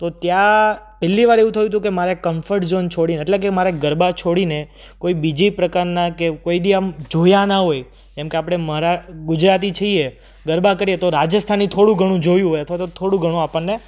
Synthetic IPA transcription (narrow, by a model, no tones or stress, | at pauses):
t̪ot̪jã | pɛlːiʋaɾeʋũt̪ʰəjũt̪̬ũkemaɾekəmfəɾʈzont͡ʃʰoɽineːʈlek̬emaɾeɡəɾbat͡ʃʰoɽine | koibid͡ʒipɾəkaɾnakekoid̪iãmd͡ʒojanaɦoj | kɛmkeapɽ̃eməɾaɡʊd͡ʒɾat̪̬it͡ʃʰəie | ɡəɾbakəɾiet̪oɾad͡ʒəst̪ʰanit̪ʰoɽũɡʱəɽ̃ũd͡ʒojũɦojət̪ʰʋat̪ot̪ʰoɽũɡʱəɽ̃ũapəɳnːe